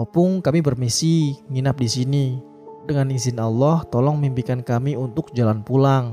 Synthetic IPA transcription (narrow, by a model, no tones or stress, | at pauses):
pʊŋkamibərmisiŋinap̚disini | dəŋaninzɪnalːɔht̪ɔlɔŋmimpikankamiunt̪ʊk̚d͡ʒalanpulaŋ